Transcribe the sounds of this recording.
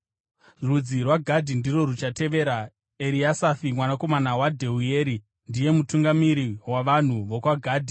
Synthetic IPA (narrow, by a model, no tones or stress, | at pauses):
rud͡zirwaɡʱadʱindiro̞rut͡ʃate̞ʋe̞ɾa | eɾiasafimwanako̞manawadʱeueɾi | ndije̞mutuŋɡamiɾiwaʋan̤uʋokwaɡʱaːdʱi